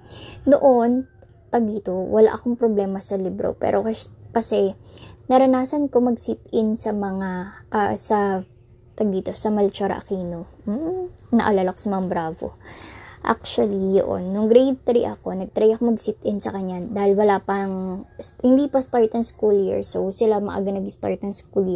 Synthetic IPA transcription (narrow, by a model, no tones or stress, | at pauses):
noʔon | t̪ɐɡ̚d̪iːt̪o̞wɐla̰ʔɐko̞ŋpɾoblɛːmɐsɐlɪbɾo̰pɛ̰ːɾʔokɐkɐsɛnɐɾɐnaːsɐnko̞mɐɡsit̪̚ɪnsɐmɐŋaʔɐ̰sɐ | t̪ɐɡ̚d̪iːt̪o̞sɐmɐlt͡ʃoɾɐ̰ʔɐ̰kiːno̞ | m̩ːnɐ̰ʔɐlalɐkosɐmɐŋabɾaːvo̞̰ʔa̰k̚t͡ʃwɐlijo̰ʔo̰nːʊŋɡɾejd̪̚t̪ɾḭʔɐko̞nɐɡ̚t̪ɾɛjɐkomɐɡsit̪ʔɪnsɐkɐɲːad̪aːhɪlwɐlapɐŋshɪnd̪iːpɐst̪aɹt̪ɐŋskuljḭɹsowsɪlamɐ̰ʔa̰ɡɐnɐɡst̪a̰ɹt̪̚nɐŋskulji